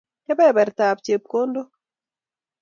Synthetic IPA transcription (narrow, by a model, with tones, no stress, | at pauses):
ɛ˦bɛ˦bɛ˨ɾta˨pt͡ʃe˨p̚ko˦ndo˦